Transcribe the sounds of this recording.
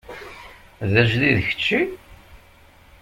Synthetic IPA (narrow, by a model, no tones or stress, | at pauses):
ðəʒðiðəçə̥t͡ʃːi